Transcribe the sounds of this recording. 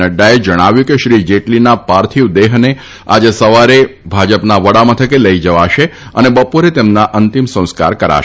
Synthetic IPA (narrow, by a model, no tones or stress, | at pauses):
əɖːaed͡ʒəɽ̃aʋjũkeʃɾid͡ʒeʈlinapaɾt̪ʰiʋd̪eɦne | ad͡ʒesəʋaɾebʱad͡ʒəpnaʋəɽamət̪ʰəkeləid͡ʒəʋaʃeənebəpoɾet̪emnaʔənt̪imsə̃w̃ska̰ɾkəɾa̰